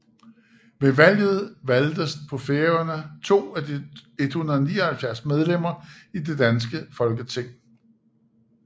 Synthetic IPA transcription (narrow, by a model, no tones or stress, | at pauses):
ʋe̝ʋæl̰jð̞̩ˠʋæld̥əspʰɒ̽feːɐnət͡sʰo̝̰ːæd̥e̝d̥hunɐðˠniːɐhælfjæɐsmeð̞ˠlem̰ɐid̥e̝d̥ænsɡ̥əfɒ̽lɡ̥ət͡sʰe̝ŋ̰